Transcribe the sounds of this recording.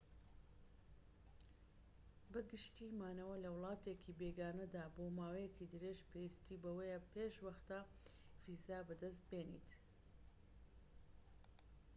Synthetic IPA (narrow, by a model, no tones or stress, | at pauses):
bɐɡɨʃt̪imaːnɐwɐlɐwlˠɑːt̪eːkʰiːbeːɡaːnɐd̪aːboːmaːwejekid̪ɨɾeːʒpʰewist̪iːbɐwejpʰeːʃwɐxt̪a | vizabɐd̪ɐst̪̚beːnḭt̪